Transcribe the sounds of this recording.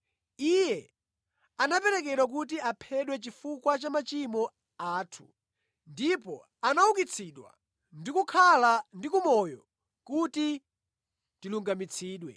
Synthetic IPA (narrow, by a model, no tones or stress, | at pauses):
ijɛ | anapɛɾɛk̬ɛɗwak̬ut̬iapʰɛɗwɛt͡ʃifukwat͡ʃamat͡ʃimɔ | aːtʰu̥ | ndipɔ | anaukit͡sʰiɗwa̰ | ndikukʰalandikumɔjɔ | kuti | tiluŋɡamit͡sʰiːɗwɛ̰